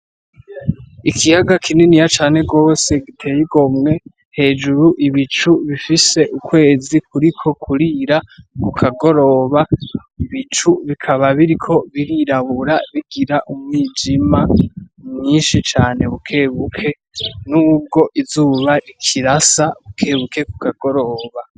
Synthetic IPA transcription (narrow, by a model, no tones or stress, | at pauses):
ikʰijaɡakʰininijat͡ʃaːne̞ɡo̞ːse̞ɡitʰe̞jiɡo̞mŋe̞ | he̞ːd͡ʒuɾuʔiβit͡ʃuβifise̞ʔukwe̞ːzikuɾikʰo̞kʰuɾiɾaβukʰaɡo̞ɾo̞βa | iβit͡ʃuβikʰaβaβiɾikʰo̞βiɾiɾaβuɾaβiɡiɾaʔumŋid͡ʒimamɲiːnʃit͡ʃaːne̞βukʰe̞ːβukʰe̞ | nuːb̚ɡo̞ʔizuːβaɾikʰiɾasaβukʰe̞ːβuke̞ku̥kaɡo̞ɾo̞ːβa